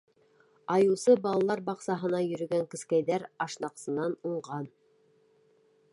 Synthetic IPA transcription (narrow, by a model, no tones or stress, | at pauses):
ɑjɤ̆wˠsɤbɑlˠɑlˠɑɾbɑqsɑɦɤ̆nɑjɵ̆ɾɵ̆ɡæŋkɵ̆skæjðæɾɑʃnɑqsɤ̆nɑnuɴʁɑn